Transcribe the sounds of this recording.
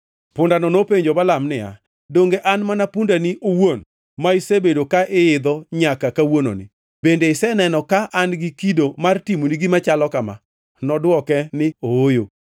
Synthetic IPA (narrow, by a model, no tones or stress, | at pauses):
pʊndanɔnopeɲd͡ʒobalamnɪa̰ | doŋɡeʔanmanapundaniʔowon | maɪsebedokaʔɪɪd̪ɔɲakakawono̰nɪ̰ | bendeɪsɛnɛnɔkaʔanɡikidomartimoniɡɪmat͡ʃalɔkama̰ | nɔdwɔkɛnɪoojo